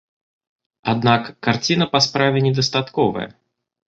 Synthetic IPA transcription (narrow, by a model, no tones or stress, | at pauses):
a̰d̪nakːart͡sʲinɐpaspɾavʲɛnʲɛd̪ɐst̪at̪kɔvɐ̰j̰